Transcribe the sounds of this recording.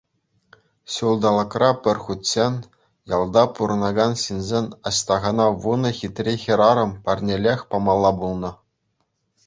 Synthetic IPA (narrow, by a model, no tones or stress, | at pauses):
ɕulˠd̪ɑlˠɤ̆krɑpʲɘ̆rʲχutʲsʲenʲ | jɑlˠd̪ɑpuɾɤ̆nɑɡɑnɕinʲzʲenʲɑ̰ɕt̪ɑʁɑnɑʋunɤ̆xʲit̪ʲrʲexʲiɾɑɾɤ̆mpɑrʲnʲelʲexʲpɑmɑlˠːɑbulˠnɤ̆